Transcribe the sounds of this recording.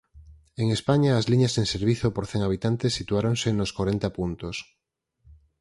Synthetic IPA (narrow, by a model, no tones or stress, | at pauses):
eŋespaɲaːzliɲaseŋseɾβ̞iθopoɾθeŋaβ̞it̪ant̪esːit̪uaɾõŋsenoskwaɾent̪apunt̪os